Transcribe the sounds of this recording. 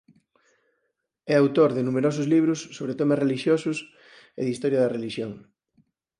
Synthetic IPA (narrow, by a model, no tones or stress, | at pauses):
ɛawt̪oɾðɪnumeɾos̬ʊzliβ̞ɾʊsːoβɾet̪omɐreliʃjosʊs | ɪ̰ðist̪ɔɾjɐðɐreliʃjoŋ